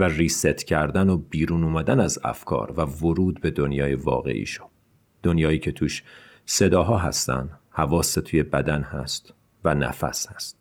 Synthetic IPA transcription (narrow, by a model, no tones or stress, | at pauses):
væriːset̪ʰcʰæɾd̪ænobiːɾuːnuːmæd̪ænæzæ̰fkʰɒ̰ːɾvævoɾuːd̪be̞d̪o̞njɒːjevɒ̰ːɣe̞̰ʔḭːʃo̥ | d̪̥o̞njɒːiːcʰe̞t̪ʰuːʃ | se̞d̪ɒːɦɒːɦæ̰st̪æ̰nd̪hævɒːset̪ʰuːje̞bæd̪ænhæ̰st̪ | vænæ̰fæ̰shæst̪